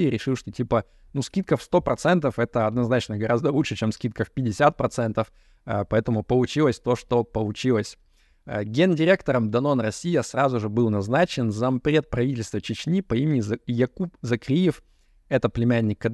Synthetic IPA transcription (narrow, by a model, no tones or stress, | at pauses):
ijəɾʲɪʂɨlˠʂt̪otʲipə | nuskʲit̪̚kəfst̪o̞pɾɐt̪sɛnt̪əfɛt̪əɐd̪nɐznat͡ɕnəɡɐɾazd̪əlˠuʂɨt͡ɕemskʲit̪̚kəfpʲɪdʲɪsʲat̪̚pɾɐt̪sɛnt̪əf | pɐɛt̪əmʊpəlˠʊt͡ɕilˠəsʲt̪o̞ʂt̪o̞pəlˠʊt͡ɕilˠəsʲ | ɡʲendʲɪɾʲe̞kt̪əɾəmd̪ɐno̞nrɐsʲijəsrazʊʐɨbɨlˠnɐznat͡ɕɪnzɐmpɾʲe̞t̪̚pɾɐvʲitʲɪlʲst̪vət͡ɕɪt͡ɕnʲipɐimʲɪnʲɪzjɐkupzɐkɾʲijɪf | ɛt̪əplʲɪmʲænʲːɪkːɐd̪